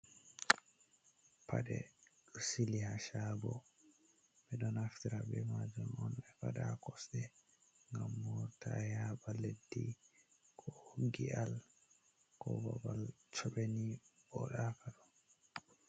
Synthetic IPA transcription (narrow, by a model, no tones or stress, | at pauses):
pʰaɗɛ̰ | silihaʃabɔ | bɛɗɔnaftiɾabɛmad͡ʒumɔnɛfaɗakɔsɗɛ | ŋɡamːɔtʰajabaledːi | kʰɔɡial | kɔbabalt͡ʃɔɓenibɔɗakʰaɾɔ